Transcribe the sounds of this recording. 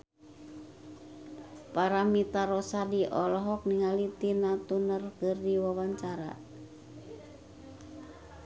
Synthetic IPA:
paɾamit̪aɾɔsadiʔɔlɔɦɔk̚niŋalit̪inat̪unərkərdiwawaɲt͡ʃaɾa̰

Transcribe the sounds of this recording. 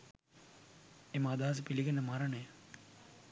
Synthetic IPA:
eməːd̪aɦɐs̬əpiliɡenːəmaɾɐɳəjə

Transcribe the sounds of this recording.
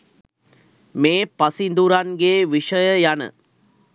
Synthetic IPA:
meːpasind̪uɾanɡeːʋiʂəjəjanə̰

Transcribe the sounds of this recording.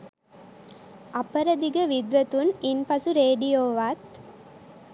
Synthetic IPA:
ɐpəɾɐd̪iɡəʋid̪ʋɐt̪uninpɐsuɾeːɖijoːʋaːt̪

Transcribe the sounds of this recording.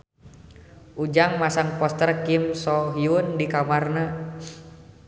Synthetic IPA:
ʔud͡ʒaŋmasaŋpɔst̪ərkimsɔɦiundikamarna

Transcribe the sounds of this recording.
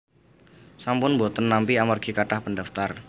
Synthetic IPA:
sampʊnbot̪ənːampiamarɡ̥ikaʈahpəndaft̪ar

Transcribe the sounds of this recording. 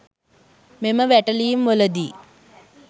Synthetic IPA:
meməʋæʈəliːmʋoləd̪iː

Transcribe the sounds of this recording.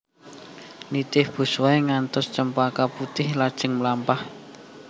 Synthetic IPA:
nit̪ɪhb̥ṳswaeŋant̪ʊst͡ʃəmpakaput̪ɪhlad̥ʒ̥ə̤ŋmlampah

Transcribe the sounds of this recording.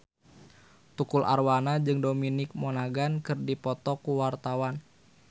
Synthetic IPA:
t̪ukulʔa̰rwanad͡ʒɨŋdominɪk̚mɔnaɡankɨrdipɔt̪ɔkuwart̪awan

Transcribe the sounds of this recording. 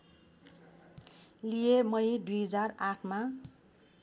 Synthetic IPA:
lijemʌjd̪ujɦʌd͡zaraʈʰma

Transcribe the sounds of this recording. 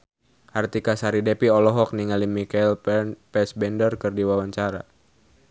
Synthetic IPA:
ʔart̪ikasaɾidepiɔlɔɦɔk̚niŋalimikailpɛsbɛndərkɨrdiwawaɲt͡ʃaɾa

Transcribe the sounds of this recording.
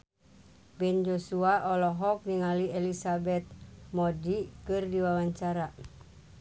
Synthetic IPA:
bɛnd͡ʒosuaʔɔlɔɦɔk̚niŋaliɛlisabɛt̪̚modikɨrdiwawaɲt͡ʃaɾa

